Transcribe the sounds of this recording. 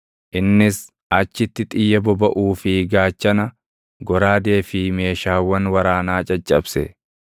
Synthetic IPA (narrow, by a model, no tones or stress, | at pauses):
ʔɪnːɪs | ɐt͡ʃːɪt̪ːɪt̪ʼɪjːɐbɔbɐʔuːfɪɡaːt͡ʃːɐnɐ | ɡɔɾaːd̪e̞ːfɪme̞ːʃaːwːɐnwɐɾaːnaːt͡ʃʼɐt͡ʃʼːɐbsɛ